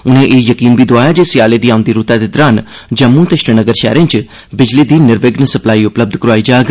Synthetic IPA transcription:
ʊnɦẽʔeːjɐkiːnbʱid̪oaːjad͡ʒeːsiaːled̪iːaːʊ̃nd̪iɾut̪ad̪ed̪ɾaːn | d͡ʒɐmːũt̪eʃʈənəɡəɾʃɛ̰ːɾẽnt͡ʃ | bɪd͡ʒlid̪iːnɪɾʋeɡnəsɐplaːiʊpləb̚d̪ʱkɾaːid͡ʒaːɡ

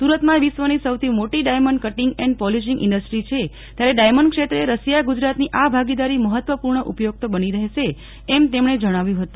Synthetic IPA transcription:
suɾət̪mãʋisʋənisəwt̪ʰimoʈiɖajməɳɖkəʈiŋɡɛɳɖpɔliʃ̬ĩŋɡʔɪ̰̃ɳɖəsʈɾit͡ʃʰe | t̪jaɾeɖajməɳɖ̚kʂʃet̪ɾəeɾəsijaɡud͡ʒɾat̪niʔabʱaɡid̪aɾiməɦət̪ʋəpuɾɳəʔupjoɡ̚t̪obəniɾəɦeʃeː | mt̪emɳed͡ʒəɽ̃aʋjũɦət̪ũ

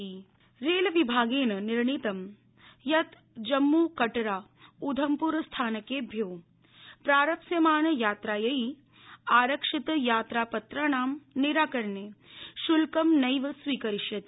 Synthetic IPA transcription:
i | ɾeːlɐʋibʱaːɡeːnɐniɾɳit̪ɐm | jɐt̪ | d͡ʒɐmːuːkɐʈɐɾaː | ud̪ʱɐmpuɾst̪ʰaːnɐkeːbʱjoː | pɾaːɾɐpsjɐmaːnɐjaːt̪ɾaːjɐi | aːɾɐkʂit̪jaːt̪ɾaːpɐt̪ɾaːɳaːmniɾaːkɐɾneːʃulkɐmnɐjʋɐsʋiːkɐɾiʃjɐt̪i

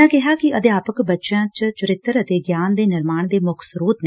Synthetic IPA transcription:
ãːkɪɦaːkɪəd̪ɪjaːpəkbətːʃãːt͡ʃt͡ʃʊɾɪt̪ːəɾət̪eːɡjaːnd̪eːnɪɾmaːɳd̪eːmʊkʰsəɾuːt̪ne

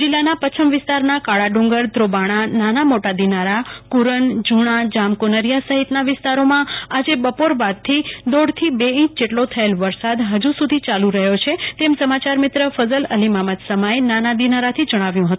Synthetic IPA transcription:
d͡ʒilːanapət͡ʃʰəmʋɪst̪aɾnakaɭaɖũŋɡəɾd̪ʱɾobaɽ̃ananamoʈad̪inaɾakuɾəɳd͡ʒuɽ̃ad͡ʒamkonəɾijasəɦit̪naʋɪst̪aɾomãad͡ʒebəpoɾbad̪̚t̪ʰid̪oɽt̪ʰibeĩt͡ʃd͡ʒeʈlot̪ʰəelʋəɾsad̪ɦəd͡ʒũsud̪ʱit͡ʃalũɾəɦjot͡ʃʰet̪emsəmat͡ʃaɾmɪt̪ɾəfəzələlimamət̪səmaenanad̪inaɾat̪ʰid͡ʒəɽ̃aʋjũɦət̪ũ

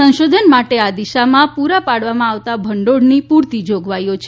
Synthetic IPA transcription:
ə̃ñʃod̪ʱənmaʈead̪iʃamãpuɾapaɽʋamãaʋt̪abʱəɳɖoɽnipuɾt̪id͡ʒoɡʋajot͡ʃʰ

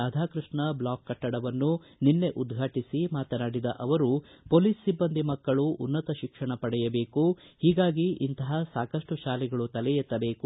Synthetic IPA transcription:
aːd̪ʱaːkɾɨʂɳɐblaːkːɐʈːɐɽɐʋɐnːu | ninːe̞ʔud̪ɡʱaːʈisimaːt̪ɐnaːɽid̪ɐ̰ʔɐʋɐɾupoːliːsːibːɐnd̪imɐkːɐɭuʔunːɐt̪ɐʃikʂɐɳɐpɐɽɛjɐbe̞ːkuhiːɡaːɡiʔint̪ɐɦɐsaːkɐʂʈuʃaːlɛɡɐɭut̪ɐlɛjɛt̪ːɐbe̞ːku

